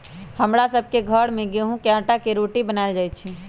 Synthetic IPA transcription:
həmɾasəb̚ʱkeɡʱəɽmẽɡeɦũkjãːʈakeɾoʈibənaɪld͡ʒajtt͡ʃʰi

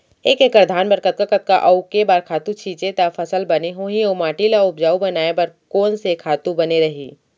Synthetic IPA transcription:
eːkekəɾd̪ʱaːnbɐɾkət̪̚kakət̪̚ka̰ʔɐʊkebaːɾkʰaːt̪ũt͡ʃʰĩːt͡ʃet̪afʰɐsəlbɐneɦoːɦĩɐumaːʈilaʊpd͡ʒaːubɐnaːebɐɾkɔːnsekʰaːt̪ũbɐneɾɐɦḭː

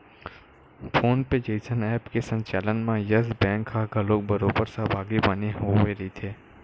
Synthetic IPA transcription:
pʰoːnped͡ʒeɪsənɛːpkesə̃ɲt͡ʃaːlənmãjəsbɛ̃ːŋkɦaɡʱəloːk̚bəɾoːbəɾsabʱaːɡibaneɦoʋeɾəɦit̪ʰeː

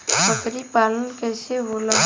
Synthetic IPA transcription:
pəkɾipaːlənkɛːseɦoːlə

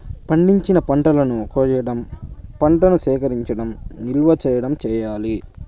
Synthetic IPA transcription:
pɐɳɖiɲt͡ʃinɐpɐɳʈɐlɐnukoːjɐɐɽɐmpɐɳʈɐnusɛːkɐɾiɲt͡ʃɐɽɐmnilʋɐt͡ʃɛːjɐɽɐmt͡ʃɛːjaːli

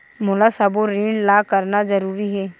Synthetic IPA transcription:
mʊlasɐboɾiːɳlaːkɐɾnazɐɾuːɾiɦɛː

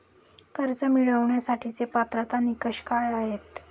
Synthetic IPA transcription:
kəɾt͡səmiɭəʋɳjasaʈʰit͡sepat̪ɾat̪anikəɕkaɭaɦet̪

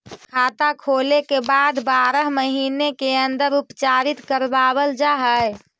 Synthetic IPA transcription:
kʰaːt̪akʰolekebad̪baːɾəɦməɦiːnekeənd̪əɾupt͡ʃaɾit̪kəɾbaβəld͡ʒaɦəj

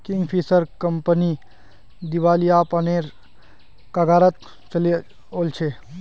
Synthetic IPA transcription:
kɪ̃ŋɡpʰisəɾkəmpəni | d̪iʋaːlijaːpəneːɾ | kaɡaːɾət̪̚ | t͡ʃəle | olt͡ʃʰe

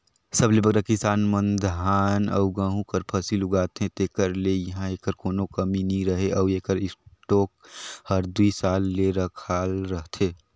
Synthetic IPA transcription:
səblebəɡɾakɪsaːnmənd̪ʱɦaːnə̰ʊɡãːɦũkəɾpʰəsilʊɡaːt̪ɦẽt̪eːkəɾlejɐɦãeːkəɾkoːnokəminĩɾəɦeʔəːeːkəɾɪsʈoːk̚həɾd̪uisaːlːeɾəkʰalɾəɦt̪ʰeː

